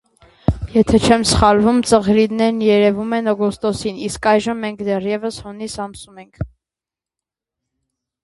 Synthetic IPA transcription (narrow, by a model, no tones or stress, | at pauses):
jɛt̪ʰɛt͡ʃʰɛmsə̥χɑlvumt͡səʁɾid̪nɛɾnjɛɾɛvumɛnɔɡɔst̪ɔsiniskɑjʒəmːɛŋkd̪ɛrjɛvəshɔnisɑmsumɛŋkʰ